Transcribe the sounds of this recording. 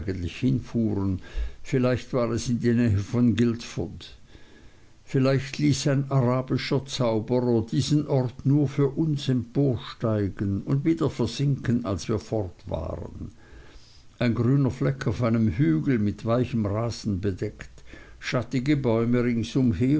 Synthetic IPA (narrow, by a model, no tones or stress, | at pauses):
ɡən̩tlɪçhɪnfuːʁənfɪlaɪçtv̥aːʁɛsɪndiːnɛːɦəfɔnɡɪltfʊd | fɪlaɪçtʰliːsaɪnaʁaːbɪʃɐt͡saʊbəʁɐdiːzənʔɔʁtnuːɐfyːɐʔʊnsɛmpʰoːɐʃtaɪɡənʊndviːdɐfɛɐz̥ɪŋkənalsv̥iːɐfɔʁtv̥a̰ːʁə̰n | ʔaɪnɡʁyːnɐflɛkʰaʊfaɪnəmhyːɡl̩mɪtv̥aɪçəmʁaːz̥n̩bədɛktʃatɪɡəbɔʏməʁɪŋsʊmheː